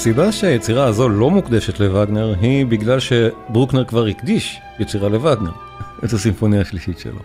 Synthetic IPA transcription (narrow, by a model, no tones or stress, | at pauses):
asibaʃeajet͡siʁaːzo̞lo̞mukd̪eʃetlevaɡne̞ʁɦibiɡlalʃe̞bʁukneʁkvaʁhikd̪iʃ | jet͡siʁale̞vaɡne̞ʁ | ʔetasimfo̞nijaːʃliʃitʃḛlo